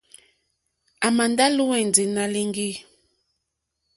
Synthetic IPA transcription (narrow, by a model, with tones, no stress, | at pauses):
a˨ma˨nda˦lu˦wɛ˨n˨d͡zi˨na˦li˦ŋɡi˦˨